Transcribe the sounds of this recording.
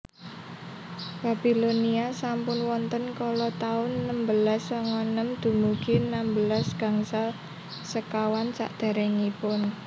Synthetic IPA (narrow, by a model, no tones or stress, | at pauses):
b̥a̤b̥iloniasampʊnwɔnt̪ənkɔlɔt̪aʊnːəmbəlasːɔŋɔnəmd̪̥ṳmuɡ̥inambəlasɡ̥a̤ŋsal | səkawansa̰ʔd̪̥a̤ɾɛŋipʊn